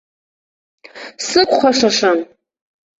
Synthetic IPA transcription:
sɨkʷʰχʷaʂaʂan

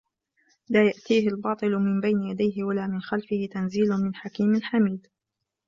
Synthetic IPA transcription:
laːjaʔt̪iːɦɪlbɑːt̪ˤɨlmɪmbajnɪjad̪ajɦɪwalaːmɪnxalfɪhɪt̪anziːlʊmɪnħakiːmalħamiːd̪

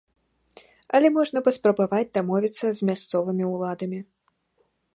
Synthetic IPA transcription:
ɐlʲɛmɔʐnɐpɐspɾɐbavad͡zʲd̪amɔvʲit̪sːɐzʲmʲast̪sɔvɨmʲiwlˠad̪ɐmʲi

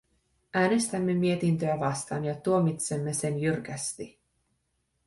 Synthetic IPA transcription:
ʔæːne̞st̪æmːe̞mie̞t̪int̪øæʋɑst̪ɑːnjɑt̪uo̞mit̪se̞mːe̞se̞njyrk̟æst̪i

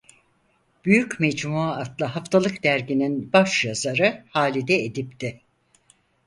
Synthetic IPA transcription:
b̥yjycmɛd͡ʒmuaːt̪lˠaɦaft̪ʰalˠɯkd̪æɾɟininbaʃjazaɾɯhaːlʲid̪ɛed̪ip̚t̪ʰɪ

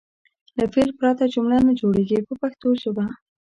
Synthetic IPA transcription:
lafeɾpɾɑt̪ad͡ʒʊmlanad͡ʒoɽeɡipəpaxt̪oʒoba

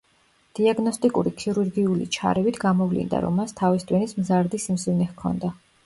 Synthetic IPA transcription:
d̪̥iaɡnɔst̪ʼikʼuɾikʰiɾuɾɡiulḭt͡ʃʰa̰ɾɛvit̪ʰɡamɔvlḭnd̪a̰ɾɔ̰mːast̪ʰavist̪ʼwinismzaɾd̪isimsivnɛhkʰɔ̰nd̪a

